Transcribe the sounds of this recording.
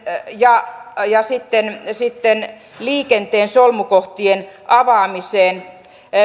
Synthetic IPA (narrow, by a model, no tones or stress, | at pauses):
jɑjɑsit̪ːensit̪ːen | liːkent̪eːnsolmukoht̪ienʔɑʋɑːmiseːn